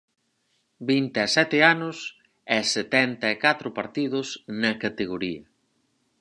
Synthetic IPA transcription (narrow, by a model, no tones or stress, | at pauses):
bint̪eɐsɛt̪eanʊs | ɛset̪ɛnt̪ɐekat̪ɾʊpaɾt̪iðʊsnɐkat̪eɣoɾiɐ